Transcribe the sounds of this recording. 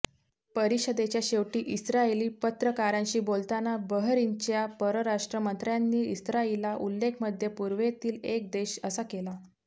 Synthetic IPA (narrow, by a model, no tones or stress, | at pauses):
pəɾiɕəd̪et͡ɕjaɕeʋʈiːʔisɾaeliːpət̪ɾəkaɾãɲɕiːbolt̪anabəɦɾiɲt͡ɕjapəɾəɾaʂʈɾəmənt̪ɾjanːiːisɾailaʔulːekʰməd̪ʱjepuɾʋet̪iːlek̚d̪eɕəsakela